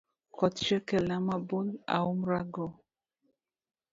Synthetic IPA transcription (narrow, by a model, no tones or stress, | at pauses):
kʰɔtt͡ʃɛkɛlamabola̰umɾaɡɔ